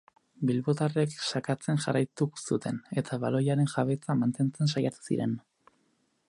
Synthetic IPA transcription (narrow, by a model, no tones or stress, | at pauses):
bilβo̞t̪are̞ksakat͡se̞nʝarajt̪usut̪ʰe̞ne̞t̪ʰaβalo̞jaɾe̞nxaβe̞t͡samant̪e̞nt͡se̞nsajat̪u̥sḭɾe̞̰n